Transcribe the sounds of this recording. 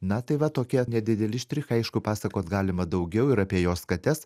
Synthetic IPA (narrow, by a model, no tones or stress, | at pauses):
nɐt̪ɐɪʋɐt̪oːkʲiɛnʲɛd̪ʲɪd̪ʲɛlʲɪʃʲt̪ʲɾʲɪxɐɪʃkʊpɑːsɐkoːt̪ɡɑːlʲɪmɐd̪ɐʊɡʲɛʊɪɾɐpʲiɛjoːskɐt̪ʲɛs